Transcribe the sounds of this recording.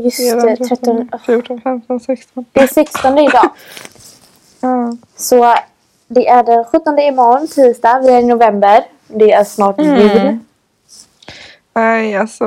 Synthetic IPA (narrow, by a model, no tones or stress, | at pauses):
jɵsət̪ɾɛt̪ːfjuːɔfɛmt̪sɛkst̪ɔnd̪ɛsɛkst̪ɔnd̪əɪd̪ɑː | sɔ | d̪ɛʔæɖɛnɧɵt̪ːɔnd̪əɪmɔnt̪ʰiːst̪avɪæɾnʊvɛmbəɾ | d̪ɛæɾʂnɑːʈjʉd̪ | nɛjasɔ